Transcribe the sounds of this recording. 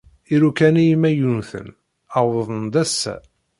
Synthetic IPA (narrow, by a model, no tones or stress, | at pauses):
iɾukænijmːæjunθə̰n | awəðˤənd̪æsːæ̰